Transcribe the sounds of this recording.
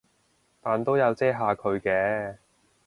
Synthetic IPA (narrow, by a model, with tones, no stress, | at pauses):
t̪aː˨nt̪o˥wjɐ˨˧wt͡sɛː˥ɦaː˨˧kʰɵ˨˧ɥkɛː˧˥